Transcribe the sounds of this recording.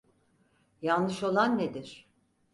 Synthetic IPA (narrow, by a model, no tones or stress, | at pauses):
janlːɯʃo̞lˠanːed̪iɾ̥